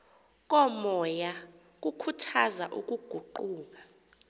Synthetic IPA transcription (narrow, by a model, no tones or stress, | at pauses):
k̬ʼɔmɔja | k̬ukʰutʰazaʔṵk̬ʼuɡ̥ʱuǃuːk̬ʼḁ